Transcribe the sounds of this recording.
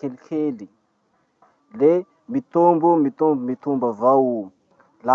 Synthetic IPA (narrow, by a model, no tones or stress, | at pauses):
kelikʰeli | le | mit̪umbumit̪umbumit̪umbavaw | la